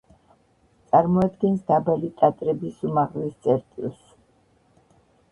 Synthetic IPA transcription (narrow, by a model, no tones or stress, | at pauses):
t̪sʼaɾmɔad̪ɡɛnsd̪abalit̪ʼat̪ʼɾɛbisumaʁlɛst̪sʼɛɾt̪ʼḭlˠs